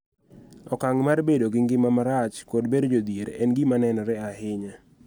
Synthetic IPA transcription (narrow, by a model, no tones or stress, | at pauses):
ɔkaŋmarbedoɡɪŋɡɪmamaɾat͡ʃkodbedd͡ʒod̪jeɾɛnɡɪmanɛnɔɾɛaɦɪɲa